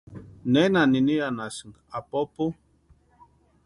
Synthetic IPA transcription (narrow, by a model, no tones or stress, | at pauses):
nɛnaninijanasiŋ | apɔpu